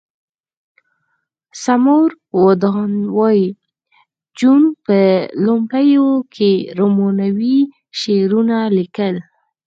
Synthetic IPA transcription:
samoɾ | wod̪ɑnwɑji | d͡ʒunpəlʊmɽajokʰeɾomonawi | ʃeɾunalikəl

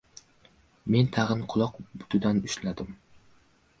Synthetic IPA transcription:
ment̪ʰæʁɨnqʰʊlˠɑqbʊ̥t̪ʰɨd̪ænyʃlæd̪ɪm

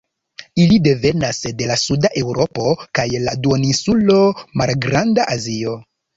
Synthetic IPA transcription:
ilide̞ve̞nasde̞lasudaʔe̞wɾo̞po̞kajladuonisulo̞malɡɾandaʔazio̞

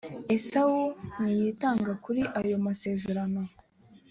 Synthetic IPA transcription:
e̞sawunijitaːŋɡakuɾiʔajo̞mase̞ːze̞ɾano̞

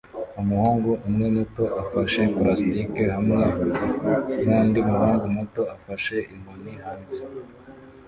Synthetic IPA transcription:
umuhaːŋɡuʔumŋemoto̞ʔafaʃe̞pɾastikeɦamŋe | mandimuɦaːŋɡumoto̞afaʃe̞ʔiŋoniɦaːnse

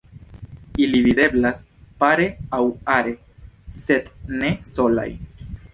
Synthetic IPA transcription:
ilivid̪e̞blas | paɾe̞awaɾe̞ | se̞d̪ne̞so̞la̰j

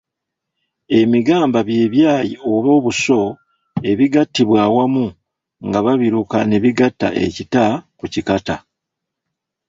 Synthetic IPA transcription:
e̞miɡaːmbaβje̞ːβjaːjḭo̞βo̞ːβuso̞ | e̞βiɡatːiβwaːwamu | ŋɡaβaβiɾukane̞βiɡatːa̰ʔe̞̰citakucikata

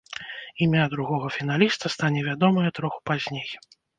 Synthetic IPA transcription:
imʲad̪ɾuɣɔɣɐfʲin̪alʲist̪ɐst̪anʲɛvʲad̪ɔmɐjɐt̪ɾɔxu̥pazʲnʲej

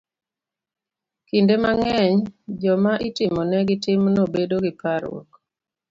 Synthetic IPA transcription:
kindemaŋɛɲd͡ʒɔmaʔitɪmɔnɛɡɪtɪmnobedoɡɪpaɾwo̰k

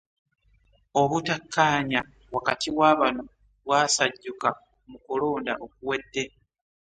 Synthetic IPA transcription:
o̞βutakʰːaːɲa | wakatʰiwaːβano̞ | βwaːsaɟːuka | mukulo̞ːndaʔok̚uwe̞dːe̞

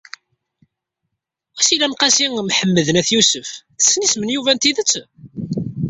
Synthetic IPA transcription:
æsilæmqæsiŋmħəmːəðənæθjusəfθə̥sːnismənjuvænt̪iðət͡sː

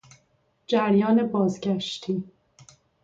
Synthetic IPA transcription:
d͡ʒæɾjɒːne̞bɒːzɡæʃt̪ʰiː

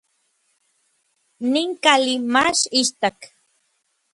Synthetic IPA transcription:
niŋkalimaʃiʃt̪ak

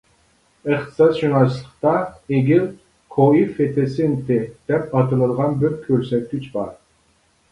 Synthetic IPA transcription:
ɨχt̪ʰɨ̥sɑsʃynɑslˠəqt̪ɑeɡʲil | kʰoifet̪ʰesɪnt̪ɪd̪̥ɛpɑt̪ɨlˠɨd̪ʁɑnbøɾkʲʰːøɾsɛt̪̚kʲyt͡ʃbɑɾ

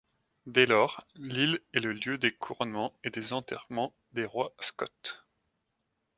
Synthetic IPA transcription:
d̪ɛlɔːʁlilɛləljød̪ekʰuʁɔnmɑ̃ed̪ezɑ̃t̪ɛʁmɑ̃ | d̪eʁwaskɔt̪

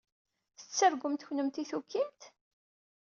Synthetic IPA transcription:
θə̥t͡sːəɾɡʷəmt̪çnəmt̪iθukːint̪

